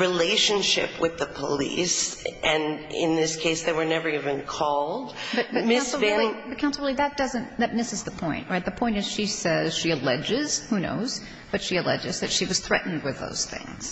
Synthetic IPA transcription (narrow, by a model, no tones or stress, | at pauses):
ɹileɪʃɨ̃nʃɪ̰pwɨðəpʰəlḭsʔɨ̃nɪ̰̃nðɪskʰeɪsðeɪwə˞nɛvə˞ivɨ̃nkʰɔlˠdb̥ʌb̥ʌmkɪ̃nsslɪ̃lˠib̥ʌt̚kʰãʊ̃nsl̩ˠɹlˠiðɨt̚d̥ʌzɨ̃nðɨt̚mɪsɨzðəpʰɔ̃ɪ̃nʔ̚ɹaɪt̪̚ðəpʰɔ̃ɪ̃ntɨz̥ʃisɛz̥ʃiɨlɛd͡ʒɪz̥huno̰ʊz̥ | b̥ʌtʃiɨlɛ̰d͡ʒɨzðɨtʃiwʌz̥θɹɛ̰ʔn̩d̚wɨðo̰ʊz̥θɪ̰̃ŋz̥